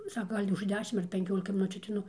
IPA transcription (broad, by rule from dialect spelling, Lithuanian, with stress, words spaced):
ˈsɑːkɐ ˈɡɐlʲ ʊʃ ˈdʲæːʃʲɪm ɐr pʲɛŋʲˈkʲoːlʲɪkɐ mʲɪˈnʊt͡ʃʲuː ɐtʲɛɪˈnʊ